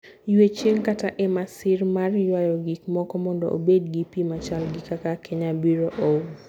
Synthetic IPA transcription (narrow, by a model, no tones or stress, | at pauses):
jwet͡ʃeŋkataʔɛmasɪrmarjwajɔɡikmɔkɔmɔndɔ̰ʔo̰bedɡipimat͡ʃalɡikakakʰeɲabiɾoʔo